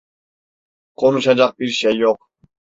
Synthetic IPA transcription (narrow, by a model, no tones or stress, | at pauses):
qʰonuʃad͡ʒɑq̚biɾʃɛjːoq̚